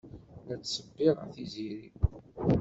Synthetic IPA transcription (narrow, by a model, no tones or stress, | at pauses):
læt͡sːsəbːiʁə̰θiziɾi